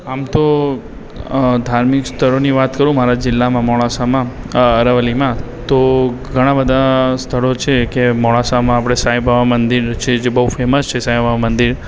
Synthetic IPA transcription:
amt̪o | d̪ʱaɾmɪkst̪ʰəɭoniʋat̪kəɾũmaɾad͡ʒɪlːamãmɔɭasamã | əɾəʋəlimã | t̪oɡʱəɽ̃ãbəd̪ʱast̪ʰəɭot͡ʃʰekemɔɭ̃asamãapɽ̃esajbʱaʋamənd̪iɾt͡ʃʰed͡ʒebəɦufeməst͡ʃʰesajbʱaʋamənd̪iɾ

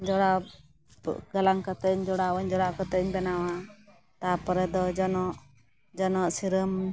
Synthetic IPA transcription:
d͡ʒɔɽa | ɡalaŋkat̪əɲd͡ʒɔɽawɔɲd͡ʒɔɽaʔkat̪əɲbɛnawa | t̪apɔɾɛd̪ɔd͡ʒɔnɔʔ | d͡ʒɔnɔʔsiɾəm

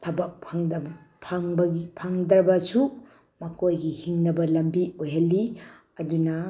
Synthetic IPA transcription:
tʰɐbɐk̚pʰaŋdɐb | pʰaŋbɐɡipʰaŋd̪ɐɾbɐsu | mɐkʰojɡihiŋnɐbɐlɐmbiojɦɐlːi | ɐdunɐ

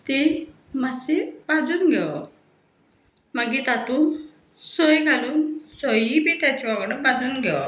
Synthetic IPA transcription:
t̪e | masebãd͡zuːnɡʱɛʋ | maɡit̪at̪uːn | sɔjɡaluːnsɔjibit̪jat͡ɕiʋaɡɽəbãd͡zuːnɡʱɛʋ

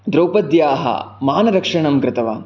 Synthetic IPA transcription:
d̪ɾowpɐd̪jaːɦɐ̰maːnɐɾɐkʂɐɳɐmɡɾɪt̪ɐʋa̰

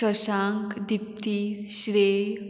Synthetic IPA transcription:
əʃaŋkd̪ip̚t̪iɕɾe

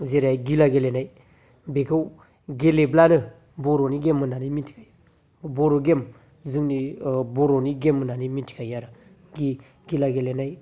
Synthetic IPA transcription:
zeɾaɡilaɡelenai | bekaw | ɡeleblanə | boɾoniɡemːənaniminti̥ka | boɾoɡem | zɨŋniboɾoniɡemːənaniminti̥kajaɾa | ɡi | ɡilaɡelenai

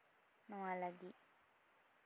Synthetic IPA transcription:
nualaɡi

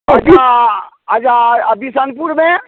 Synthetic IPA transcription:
əd͡ʒa | ad͡ʒaəbisənpuɾme

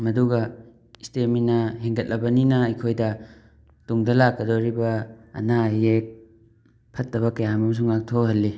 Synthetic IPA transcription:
mɐduɡɐ | isteminɐɦeŋɡɐt̚lʔɐbɐninɐɐjkʰojdɐ | tuŋdɐlakːɐdoɾibɐɐ̰najek̚ | pʰɐt̚ːɐβɐkɐjamɐmɐs̬uŋak̚tʰohɐlːi

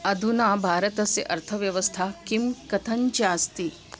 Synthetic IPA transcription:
ɐd̪ʱunaːbʱaːɾɐt̪ɐsḛʔɐɾt̪ʰɐʋjɐʋɐst̪ʰakimkɐt̪ʰɐɲt͡ʃaːst̪i

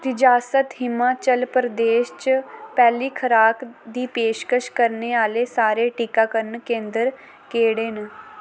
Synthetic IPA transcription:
t̪ɪd͡ʒaːsət̪ɦɪmːat͡ʃəlpɾəd̪eːʃt͡ʃpɛːliːkʰəɾaːkd̪iːpeːʃkəʃkəɾneːaːleːsaːɾeʈikaːkəɾnkẽːnd̪əɾ | keːɽeːn

